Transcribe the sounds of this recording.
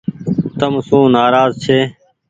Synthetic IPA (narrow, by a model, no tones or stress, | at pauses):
t̪əmsũːnaːɾaːzt͡ʃʰeː